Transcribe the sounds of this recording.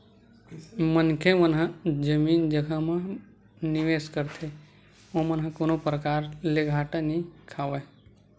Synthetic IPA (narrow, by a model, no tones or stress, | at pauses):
mənkʰẽʋənɦãd͡ʒəmiːnd͡ʒəɡʱamã | niʋeːskəɾt̪ʰe | omənɦãkoːnopɾəkaːɾleɡʱaːʈanikʰaːwe